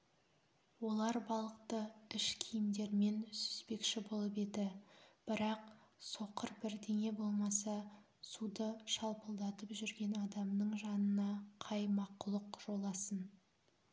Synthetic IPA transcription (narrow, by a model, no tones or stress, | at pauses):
wo̞lˠɑɾbɑlˠəq̚t̪əɪʃkʲʰijɪmd̪e̞ɾme̞nsʏ̥spe̞kʃɪbo̞lˠəpe̞d̪ɪb̥ɪɾɑqso̞qəɾbɪɾd̪e̞ŋe̞bo̞lˠmɑsɑ | sud̪əʃɑlˠpəlˠd̪ɑt̪əpʒʏɾɡʲe̞nɑd̪ɑmnəɴʒɑnənɑqʰɑjmɑqʊlˠəqʒ̥o̞lˠɑsən